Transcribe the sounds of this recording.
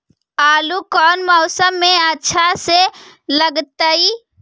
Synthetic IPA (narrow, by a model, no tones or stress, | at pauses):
aːlukɔːnmɔʊsəmːeətːʃʰase | ləɡt̪əi